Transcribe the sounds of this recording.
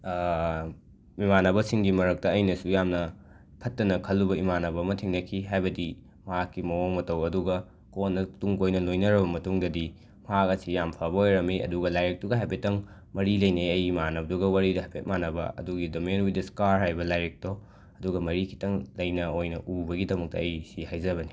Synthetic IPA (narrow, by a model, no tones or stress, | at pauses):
imanɐbɐsiŋɡimɐɾɐk̚tɐɐjnɐsujamnɐ | pʰɐtːɐnɐkʰɐlːubɐimanɐbɐmɐtʰiŋnɐkʰiɦajbɐdi | mɐɦakːimɐoŋmɐtɐwɐduɡɐ | konːɐtuŋkojnɐlojnɐɾɐbɐmɐtuŋdɐdi | mɐɦakɐsijampʰɐbɐojɾɐmiʔɐ̰duɡɐlajɾek̚tuɡɐɦajbetɐŋ | mɐɾilɐjneɐjimanɐɐduɡɐwaɾidɐɦɐpʰet̚manɐbɐ̰ɐ̰duɡidomenwidɐskaɾɦajbɐlajɾek̚to | ɐduɡɐmɐɾikʰi̥tɐŋlɐjnɐojnɐʔubɐɡidɐmɐk̚tɐ̰ɐjsihajzɐβɐni